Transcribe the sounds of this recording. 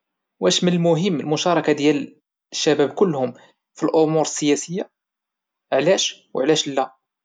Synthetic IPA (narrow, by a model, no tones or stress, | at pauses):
wʔæʃmənəlmʊɦəmːəlmʊʃɑɾˤɑkad̪jæl | ʃːæbæbkʊlːhʊm | filʔʊmuɾəsːəjæsəjːa | ʕlæʃwʕlæʃlːæ